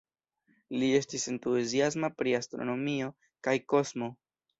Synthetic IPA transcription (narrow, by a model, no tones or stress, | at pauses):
lie̞stise̞ntueziasmapɾiastɾo̞̰no̞mio̞ | kajko̞zmo̞